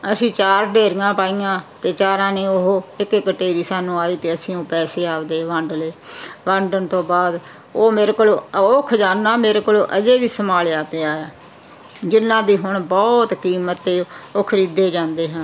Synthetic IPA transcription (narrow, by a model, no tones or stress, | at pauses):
əsĩːt͡ʃaːɾɖeːɾɪjãːpaːiːjãːt̪eːt͡ʃaːɾãːneːʊɦoːɪkkːəʈeːɾiːsaːnũːaːiːt̪eːəsĩːõːpɛːseːaːpd̪eːʋãɳɖleː | ʋãɳɖənt̪õːbaːd̪ | oːmeːɾeːkoloːoːkʰd͡ʒaːnːaːmeːɾeːkoloːʔəd͡ʒeːʋiːsəmaːlːaːt̪eːaːjaː | d͡ʒɪnːãːd̪iːɦʊɳbɔːt̪kiːmət̪ːeː | oːkʰəɾiːd̪eːd͡ʒãːnd̪eːɦãː